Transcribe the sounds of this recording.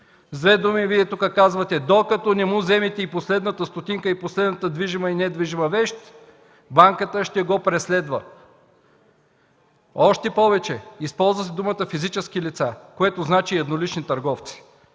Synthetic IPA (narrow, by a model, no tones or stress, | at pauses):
zvɛd̪omiviɛt̪ukəkazvət̪ɛd̪okɐt̪ɔnɛmuzɛmit̪ɛiposlɛd̪nət̪əst̪ot̪iŋkəiposlɛd̪nət̪əd̪viʒiməinɛd̪viʒimɐvɛʃt̪ | baŋkət̪əʃt̪ɛɡopɾɛslɛd̪və̰ | ɔʃt̪ɛpɔvɛt͡ʃɛispɔlˠzvəs̬ɛd̪umət̪əfizit͡ʃɛskilit̪sakoɛt̪oznat͡ʃiɐd̪nolit͡ʃnit̪ɐɾɡɔft̪si̥